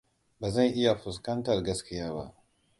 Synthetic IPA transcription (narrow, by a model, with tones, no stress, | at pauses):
baː˨zɐ˦˨nʔɪ˦ja˨ɸʊ˨s̬kɐ˦ntɐ˨rɡɐ˦skʲɪ˦jaː˦ba̰˦ʔ